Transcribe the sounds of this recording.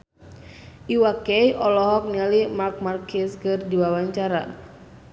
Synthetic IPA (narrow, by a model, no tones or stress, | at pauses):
ʔiwakɛjʔɔlɔɦɔk̚nialimark̚markiskɨrdiwawaɲt͡ʃaɾa̰